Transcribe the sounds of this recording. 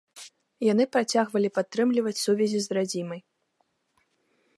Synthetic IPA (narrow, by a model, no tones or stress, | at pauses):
jan̪ɨpɾat͡sʲaɣvɐlʲipat̪ːɾɨmlʲivɐt͡sʲsuvʲɛzʲizɾad͡zʲimɐj